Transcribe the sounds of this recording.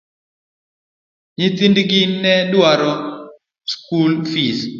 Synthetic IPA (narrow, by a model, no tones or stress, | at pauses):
ɲɪt̪indɡinɛdwaɾɔ | skulfis